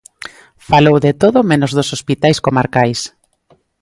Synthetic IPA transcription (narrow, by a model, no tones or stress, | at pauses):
falowðet̪oðʊmenozðosospit̪ajskomaɾkajs